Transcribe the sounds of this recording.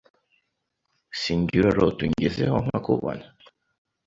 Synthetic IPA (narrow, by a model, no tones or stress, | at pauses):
siɲɡiɾoɾotuɲɟezehoŋ̥akuβo̰na